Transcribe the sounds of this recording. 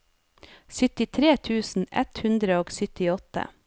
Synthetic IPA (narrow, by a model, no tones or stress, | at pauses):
sʏt̪ɪt̪ʰɾeːt̪ʰʉːsn̩ɛ̰t̪hʉnd̪ɾəoːɡsʏt̪ɪɔt̪ə̰